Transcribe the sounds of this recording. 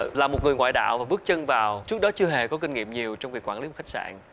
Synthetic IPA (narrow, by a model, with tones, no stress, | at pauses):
laː˨˩mo˨˩ŋɨ˨˩əjŋwa̰ː˧˨jɗa̰ː˧˨wvaː˨˩ɓɨ˦˥ək̚t͡ɕə˧ŋvaː˨˩wt͡ɕɨ˦˥ək̚ɗɔ˨˦t͡ɕɨ˧əɦe˨˩kɔ˨˦ki˧ŋ̟ŋḭ˧˨əmɲi˨˩əwt͡ɕɔ˧wŋ͡mvi˨˩kwaː˧˩li˨˦m̚˨˩xa˦˥k̚sa̰ː˧˨n